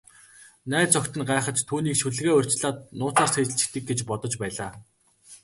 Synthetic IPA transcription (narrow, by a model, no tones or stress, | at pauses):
næːt͡sɔkt̪ɘ̆nɢaːχə̆t͡ɕt̪ʰːuːniːkʃuɮ̆ɣeːr̥ʲt͡ɕɮaːt̪̚nʊːt͡saːr̥set͡ɕɬt͡ɕɘ̆xt̪ɘ̆k̚ɡet͡ɕpɔt̪ɞ̆t͡ɕpæːɮaː